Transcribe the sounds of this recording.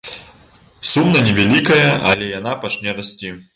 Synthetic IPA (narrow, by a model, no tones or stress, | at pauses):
sumnɐnʲɛvʲalʲikɐjɐʔɐ̰lʲɛjanapat͡ʂnʲɛɾasʲt͡sʲi